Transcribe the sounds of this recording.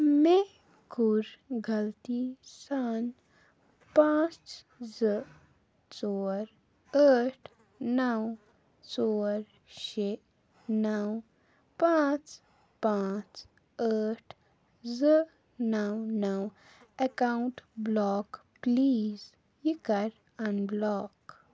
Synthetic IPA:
me | kuɾɡəlt̪isan | pãt͡s | zə | t͡soːɾ | əʈʰ | nəw | soːɾ | ʃe | naw | pãt͡s | pãt͡s | əʈʰ | zə | nawnaw | əkauɳʈblɔk | pliːz | jikəɾ | anblɔːk

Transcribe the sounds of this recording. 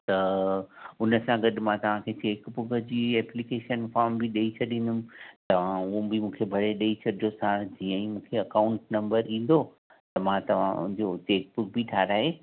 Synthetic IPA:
t̪ɐ | ʊnəsãɡɐɗɪ̆mãt̪ɐʋ̤ãkʰeːt͡ɕeːkbʊkəd͡ʑiːɛːplikeːʃənfaːɾmbɪɗɐit͡ɕʰɐɗĩːnʊmɪ̃̆t̪ɐʋ̤ãʊɦobɪmũːkʰebʱɐɽeɗɐit͡ɕʰɐɗʱiosãːd͡ʑiːə̃ĩmũːkʰeɐkaːʊ̃ɳʈnɐ̃mbəɾĩːn̆d̪o | t̪ɐmãt̪ɐʋ̤ã̰ʊ̰̃ɦɪ̃d͡ʑot͡ɕeːk̚bʊk̚bʱiʈʰaːɾaːɦeː

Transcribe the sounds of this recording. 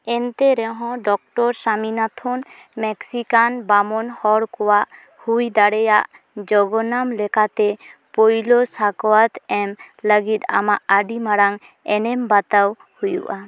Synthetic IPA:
ɛnt̪ɛɾɛɦɔ̃ɖɔk̚ʈɔɾsaminat̪ʰɔn | mɛksikanbamɔnhɔɽkɔwaʔ | hujd̪aɽɛjaʔ | d͡ʒɔɡɔnamlɛkat̪ɛpojlosakɔwat̪ɛmləɡit̪a̰maʔaɖimaɽaŋ | ɛnɛmbat̪aw | hujṵʔa

